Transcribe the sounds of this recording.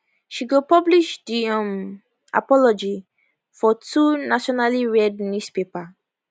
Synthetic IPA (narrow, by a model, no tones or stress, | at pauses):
ʃiɡopɔbliʃdiɔ̃m | a̰pɔlɔd͡ʒi | fɔtʰunaʃɔnaliɹɛd̚nuspepa